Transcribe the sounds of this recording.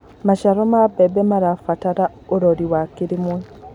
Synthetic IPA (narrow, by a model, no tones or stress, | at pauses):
maʃaɾɔmabɛbɛmaɾafataɾa | oɾɔɾiwakiɾimwɛ